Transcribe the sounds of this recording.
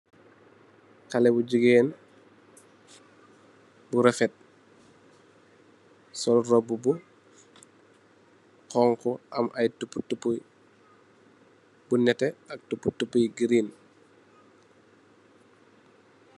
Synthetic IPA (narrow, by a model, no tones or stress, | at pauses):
kɐlɛbuɟuɡɛːn | buɾɐfɛt̚ | sɔlrɔbubu | kɔŋkɔʔɐmʔɐjtupːutupːu | bunɛtɛɐk̚tupːutupːujɡiɾin